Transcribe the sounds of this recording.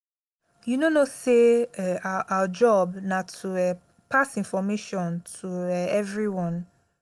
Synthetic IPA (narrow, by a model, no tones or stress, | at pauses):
junonoseaawad͡ʒɔbnãtʰuɛ | pʰasĩnfɔmeʃɔ̃ntʰuɛɛvɹiwɔ̃n